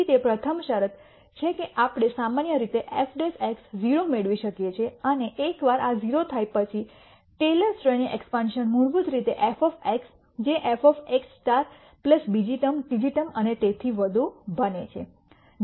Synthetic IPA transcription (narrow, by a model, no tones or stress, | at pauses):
it̪epɾət̪ʰəmʃəɾət̪ | t͡ʃʰekeʔapɽ̃esamanjəɾit̪eʔefʰɖeseksd͡ʒiɾomeɭʋiʃəkjet͡ʃʰeəneʔekʋaɾʔad͡ʒiɾot̪ʰajpət͡ʃʰi | ʈeləɾsʈɾejniʔɛ̰kspanʃənmuɽbud̪ɾit̪eʔefɔfeks | d͡ʒeʔefɔfeksʈaɾ | pləsbid͡ʒiʈəmʈid͡ʒiʈəmənet̪et̪ʰiʋəd̪ʱubənet͡ʃʰe